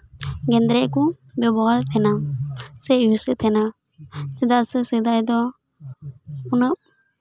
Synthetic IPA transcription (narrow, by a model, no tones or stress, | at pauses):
ɡɛnd̪ɾɛʔku | bɔbɔaɾt̪ʰɛnasɛjusɛt̪ʰɛna | sid̪aʔsəsid̪ajd̪ɔ | unəʔ̚